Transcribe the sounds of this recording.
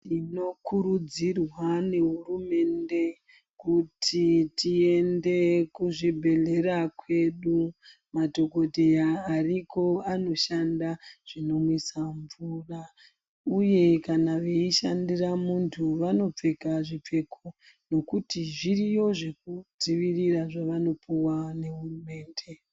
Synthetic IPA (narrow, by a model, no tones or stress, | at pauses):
tino̞kuɾud͡zirwane̞ɦurume̞nde̞ | kutʰitie̞nde̞kuʐibʱe̞ɮe̞ɾakwe̞ɗu | mato̞ko̞tejaːriko̞ano̞ʃandaʐ̥ino̞mwisaɱvura | uje̞kanaʋe̞iʃandiramuntʰuʋano̞p͡fe̞kaʐip͡fe̞kʰo̞ | no̞kutiʐirijo̞ʐe̞k̚ud͡ziʋiriraʐaʋano̞puwane̞ɦurume̞ːnde̞